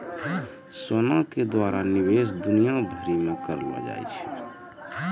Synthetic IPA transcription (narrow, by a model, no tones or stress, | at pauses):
sonaked̪waɾaniwesd̪unijabʱəɾimekəɾlɔ̰d͡ʒa̰jt͡ʃʰɛ̥